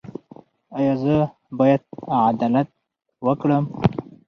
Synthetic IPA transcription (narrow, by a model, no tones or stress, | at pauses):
ɑjɑzə | bɑjad̪̚ʕad̪alat̪̚ | wəkɽəm